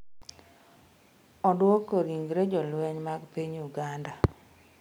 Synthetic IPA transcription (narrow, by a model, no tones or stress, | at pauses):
ɔdwɔkoɾiŋɡɾed͡ʒɔlwɛɲmaɡpiɲuɡanda